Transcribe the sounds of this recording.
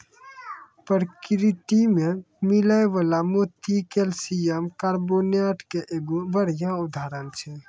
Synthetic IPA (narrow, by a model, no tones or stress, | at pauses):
pəɾkɾit̪ime | milaeʋalamot̪ikelsijəmkaɾbonaʈkeʔeɡobəɽ̤jãud̪ʱaɾənt͡ʃʰɛ